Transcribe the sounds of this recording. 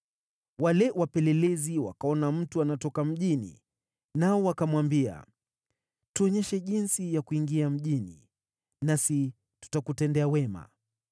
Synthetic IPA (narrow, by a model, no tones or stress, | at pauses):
walɛwapɛlɛlɛziwa̰kaɔnam̩tuanatɔkam̩ʄinḭ | naɔwakamwambia̰ | tuɔɲɛʃɛʄinsijakuiŋɡiam̩ʄinḭ | nasi | tu̥takutɛndɛawɛma̰